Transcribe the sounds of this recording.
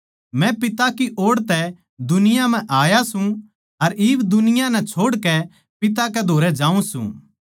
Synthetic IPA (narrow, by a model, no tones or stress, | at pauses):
mɛ̃pɪt̪akiʔoːɽt̪ɛ | d̪ʊnɪjãm̤ɛ̃ʔaːjasũ | ɐɾɪːʋd̪ʊnɪjãnɛt͡ʃʰoːɽkɛ | pɪt̪̬akɛd̪ʱoːɾɛd͡ʒãːũsṵ̃ː